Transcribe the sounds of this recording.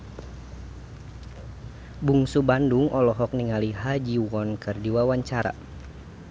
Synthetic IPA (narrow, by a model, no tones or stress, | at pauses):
buŋsubanduŋʔɔlɔɦɔk̚niŋaliɦad͡ʒiwɔnkɨrdiwawaɲt͡ʃaɾa̰